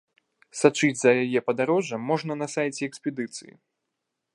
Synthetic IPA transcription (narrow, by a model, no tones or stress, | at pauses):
sat͡ʂɨd͡zʲzɐjajɛpɐd̪aɾɔʐɐmːɔʐnɐnɐsajt͡sʲɛɛksʲpʲɛd̪ɨt̪sɨ̰jḭ